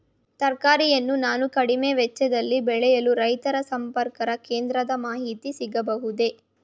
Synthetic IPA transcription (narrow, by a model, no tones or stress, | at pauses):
t̪ɐɾkaːɾijɐnːunaːnukɐɽimeːʋɛt͡ʃːɛd̪ɐlːibɛɭɛjɐluɾɐjt̪ɐɾɐsɐmpɐɾkɐɾɐkeːnd̪ɾɐd̪ɐmaːɦit̪isiɡɐbɐɦud̪e̞